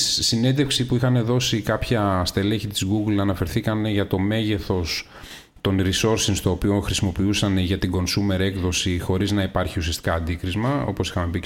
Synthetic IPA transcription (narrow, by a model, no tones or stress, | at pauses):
sine̞nd̪efksipuixɐne̞ðo̞sikɐpçɐst̪ele̞çit̪izɡuɡlɐnɐfe̞ɾθikɐneʝɐt̪o̞me̞ʝe̞θo̞s | t̪o̞nɾiso̞ɾsinst̪o̞ːpio̞xɾisimopiusɐneʝɐt̪iɡo̞nsume̞ɾe̞kðo̞sixo̞ɾiznɐipɐɾçiusiɐst̪i̥kɐːnd̪ikɾizmɐo̞̰po̞si̥xɐme̞pi